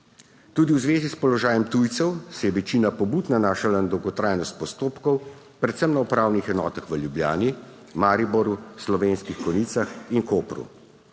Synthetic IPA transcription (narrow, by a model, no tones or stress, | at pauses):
t̪uːd̪iwzʋeːzispɔlɔʒaːjɛmt̪ujt̪sɛwsɛjɛʋɛt͡ʃiːnapɔbuːt̪nanaːʃalanad̪ɔwɡɔt̪ɾaːjnɔst̪̚pɔst̪oːpkɔw | pɾɛt̪sɛmnaɔpɾaːwnixɛnɔːt̪axʋəljubljaːni | maːɾibɔɾuslɔʋenskixkɔniːt̪saxinkoːpɾṵ